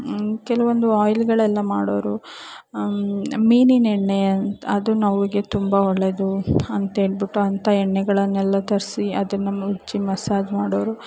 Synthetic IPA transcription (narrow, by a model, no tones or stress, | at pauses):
kɛlɐʋond̪uaːjlɡɐɭɛlːɐmaːɽoːɾu | miːninɛɳːeɐnɐd̪unɐʋiɡe̞t̪umbɐɔɭːed̪uɐnt̪ɐɦe̞ːɭbiʈːuɐnt̪ʰɐɛɳːɛɡɐɭɐnːɛlːɐt̪ɐɾsiɐd̪ɐnːɐmːɐud͡ʒːimɐsaːd͡ʒmaːɽoːɾu